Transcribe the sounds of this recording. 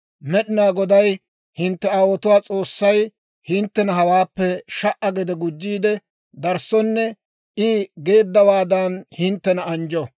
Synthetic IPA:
mɛɗɪnaːɡɔd̪ɐj | hɪnt̪ːɛaːwɔt̪ʊwaːt͡sʼo̞ːsːɐj | hɪnt̪ːɛnɐɦɐwaːpːɛʃɐʔɐɡɛd̪ɛɡʊd͡ʒːiːd̪ɛ | d̪ɐɾsɔnːɛ | ʔɪɡe̞ːd̪ːɐwaːd̪anhɪnt̪ːɛnɐɐnd͡ʒɔ

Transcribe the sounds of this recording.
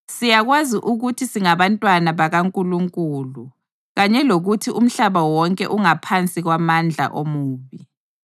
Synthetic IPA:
sijaɣwaziʔuɣutʰisiŋaβantʼwanaβaɣaŋkʼuluŋkʼuːlu | ɣaɲɛloɣutʰium̩ɬaβawɔŋkʼɛ̰ʔuŋapʰant͡sʼiɣwamand͡ɮʱa̰ʔomuːβi

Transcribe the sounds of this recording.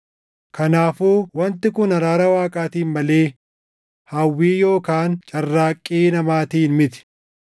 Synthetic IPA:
kʰɐnaːfuːwɐnt̪ɪkʊnɐɾaːɾɐwaːkʼaːt̪iːnmɐle̞ː | hɐwːiːjo̞ːkaːnt͡ʃʼɐrːaːkʼːiːnɐmaːt̪iːnmɪt̪ɪ̥

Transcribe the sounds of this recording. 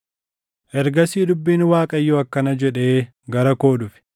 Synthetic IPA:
ʔɛɾɡɐsiːd̪ʊbːiːnwaːkʼɐjːɔɐkːɐnɐd͡ʒɛᶑe̞ː | ɡɐɾɐko̞ːdʊfɪ̥

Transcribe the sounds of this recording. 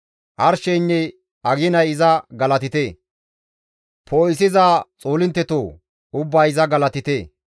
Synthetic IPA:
ʔɐɾʃɛnːɛj | ɐɡɪnɐjɪzɐɡɐlɐt̪ɪt̪eː | pʰoːjɪs̬ɪzaːt͡sʼoːlɪnt̪ːɛt̪oː | ʊbːaːjɪzɐɡɐlɐt̪ɪt̪eː

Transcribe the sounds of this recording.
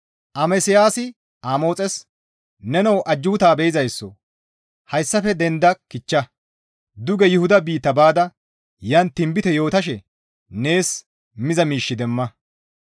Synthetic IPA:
ʔɐmɛsɪjaːsɪ | aːmo̞ːt͡sʼɛs | nɛnɐwʔɐd͡ʒːuːt̪aːbɛjɪzɐjsːɔ̰ | hɐjsːɐfɛd̪ɛnd̪ɐkɪt͡ʃːɐ | d̪ʊɡɛjʊhʊd̪ɐbiːt̪ːɐbaːd̪ɐ | jɐnt̪ːɪmbɪt̪ɛjo̞ːt̪ɐʃɛ | ne̞ːs | mɪzɐmiːʃːɪd̪ɛmːɐ

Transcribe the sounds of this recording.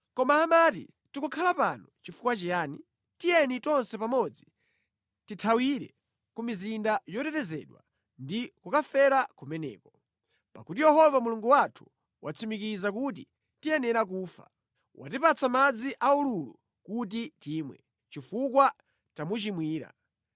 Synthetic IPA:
kɔmaːmat̬ḭ | tikukʰalapanɔt͡ʃifukwat͡ʃijaːni | tijɛnitɔnsɛpamɔd͡zi | titʰawiɾɛ | kumizindajɔtɛtɛzɛɗwa̰ | ndikukafɛɾakumɛnɛ̰ːkɔ | pa̰kutijɛhɔvamuluŋɡuwatʰu̥ | wʔat͡sʰimikizak̬ut̬ḭ | tijɛnɛɾak̬uːfa̰ | wa̰tipat͡sʰamad͡ziʔaululṵ | kut̬itiːmwɛ̰ | t͡ʃifukwa | tamut͡ʃimwiːɾa̰

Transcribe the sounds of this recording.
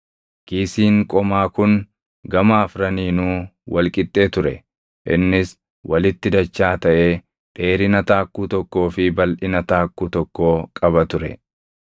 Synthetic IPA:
kiːsiːŋkʼɔmaːkʊn | ɡɐmaːfɾɐniːnuːwɐlkʼɪt̪ʼːe̞ːt̪ʊɾɛ | ʔɪ̰nːɪs | wɐlɪt̪ːɪd̪ɐt͡ʃːaːt̪ɐʔe̞ː | ᶑʼe̞ːɾɪnɐt̪aːkːuːt̪ɔkːo̞ːfɪbɐlʔɪnɐt̪aːkːuːt̪ɔkːo̞ːkʼɐbɐt̪ʊɾɛ̰

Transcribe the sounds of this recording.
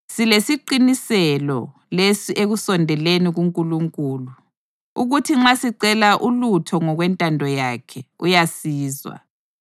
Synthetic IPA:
silesiǃinisɛlɔ̰ | lesiʔeɣusɔndʱɛleniɣuŋkʼuluŋkʼuːlu | uɣutʰiŋ͡ǁasiǀɛlaʔulutʰɔŋɔɣwɛntʼandʱɔjaːkʰɛujasiːzwa̰

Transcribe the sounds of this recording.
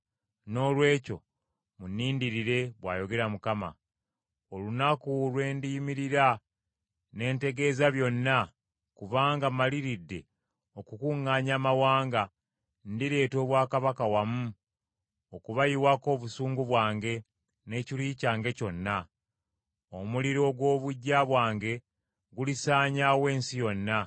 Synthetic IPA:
no̞ːlwe̞ːco̞̰ | munːiːndiɾiɾe̞βwaːjo̞ɡe̞ɾamukama̰ | o̞lunakulwe̞ːndimiɾiɾa | ne̞ːnte̞ɡe̞ːzaβjo̞nːa | kuvaːŋɡamaliɾidːe̞ | o̞kukuŋːaːɲaːmawaːŋɡa | ndiɾe̞ːto̞ːβwaːkaβakawamu | okuβajiwako̞ːβusuːŋɡuβwaːŋɡe̞ | ne̞ːciliːcaːŋɡe̞co̞nːa | omuliɾo̞ɡwo̞ːβuɟːaβwaːŋɡe̞ | ɡulisaːɲawe̞ːnsijo̞nːa

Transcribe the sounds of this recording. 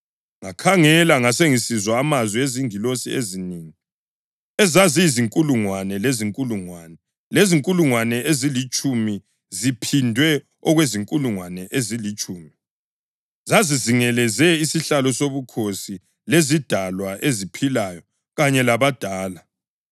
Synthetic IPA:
ŋakʰaŋɛlaŋaseŋisizwaːmazwieziŋilosieziniːŋi | ɛzazijiziŋkʼuluŋwanɛleziŋkʼuluŋwanɛ | leziŋkʼuluŋwanɛʔezilit͡ʃʼumi | zipʰindʱwɛ | ɔɣweziŋkʼuluŋwanɛʔezilit͡ʃʼuːmi | zaziziŋɛlɛzɛisiɬalɔsoβukʰosi | lezid̥ʱalwaʔezipʰilaːjɔ | ɣaɲɛlaβad̥ʱaːla

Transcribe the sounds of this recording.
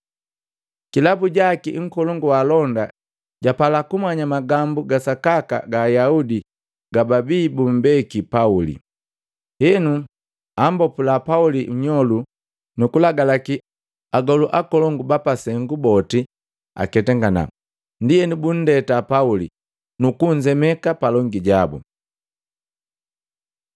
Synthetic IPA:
kilabuɟakiŋ̩kɔlɔŋɡuwalɔnda | ɟapalakumaɲamaɡambuɡasakaka̰ɡaːjaudi | ɡ̥ababiːbum̩bɛkipaulḭ | hɛnu | ambɔpulapaulim̩ɲɔlu | nukulaɡalaki | aɡɔluʔakɔlɔŋɡubapasɛŋɡubɔti | a̰kɛtɛŋɡana̰ | ndijɛnibun̩dɛtapauli | nukuɲd͡ʒɛmɛkapalɔŋɡiɟabṵ

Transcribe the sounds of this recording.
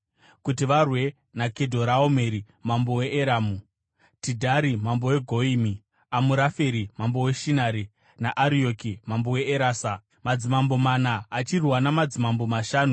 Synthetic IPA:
kutiʋarwe̞ | nakedʱo̞ɾaome̞ɾi | mambo̞we̞ʔeɾaːmu | tidʱaɾimambo̞we̞ɡʱo̞imi | amuɾafeɾimambo̞we̞ʃinaɾi | naʔaɾiokimambo̞we̞eɾaːsa | mad͡zimambo̞manaːt͡ʃirwanamad͡zimambo̞maʃaːnu

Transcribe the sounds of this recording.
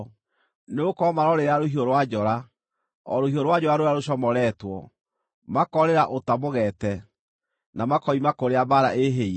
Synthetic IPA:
neokɔmaɾɔɾeɾaɾohioɾowad͡ʑɔɾa | ɔ̰ɾohioɾowad͡ʑɔɾaɾoɾaɾoɕɔmɔɾɛtwɔ | makɔɾeɾaʔotamoɣɛtɛ | namakɔimakoɾeabaɾaʔeɦei

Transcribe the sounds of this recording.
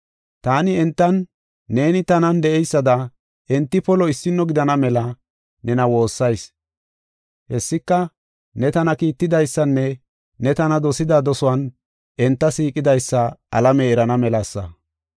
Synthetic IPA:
t̪aːnɪɛnt̪ːɐnː | e̞ːnɪt̪ɐnɐnd̪ɛʔɛjsːɐd̪ɐ | ɛnt̪ːɪpɔlɔɪsːɪnːɔɡɪd̪ɐnɐmɛlɐ | nɛnɐwo̞ːsːɐjs | hɛsːɪkːɐ | nɛt̪ɐnɐkiːt̪ːɪd̪ɐjsːɐnːɛ | nɛt̪ɐnɐd̪ɔsɪd̪ad̪ɔsʊwɐn | ʔɛnt̪ːɐsiːkʼɪd̪ɐjsːɐʔɐlɐmɛɛɾɐnɐmɛlɐsːɐ̰

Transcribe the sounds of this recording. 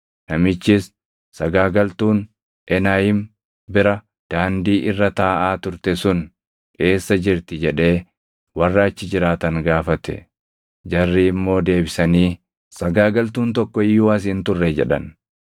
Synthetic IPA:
nɐmɪt͡ʃːɪs | sɐɡaːɡɐlt̪uːn | ɛnaːjɪm | bɪɾɐ | d̪̥aːnd̪iːʔɪrːɐt̪aːʔaːt̪ʊɾt̪ɛsʊn | ᶑe̞ːsːɐd͡ʒɪɾt̪ɪd͡ʒɛᶑe̞ː | wɐrːaːt͡ʃːɪd͡ʒɪɾaːt̪ɐŋɡaːfɐt̪ɛ̰ | d͡ʒɐrːiːɪmːo̞ːd̪e̞ːbɪsɐniː | sɐɡaːɡɐlt̪uːnt̪ɔkːɔɪjuːwɐs̬hɪnt̪ʊrːɛd͡ʒɛ̰ᶑɐ̰n

